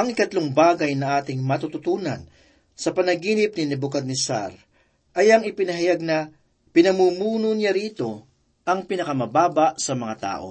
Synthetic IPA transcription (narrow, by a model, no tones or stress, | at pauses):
ʔɐŋɪkɐt̪loŋbaːɡɐjnɐʔaːt̪ɪŋmɐt̪ut̪ʊt̪uːnɐ̰n | sɐpɐnɐɡiːnɪp̚nɪnɛbʊkɐd̪nɪsa̰ɾ | ʔɐjɐŋɪpɪnɐɦɐjaɡ̚nɐ | pɪnɐmuːmuːnʊnɪaɾiːt̪o̞ | ʔɐŋpɪnɐkɐmɐbaːbɐʔsɐmɐŋat̪a̰ːʔo̞̰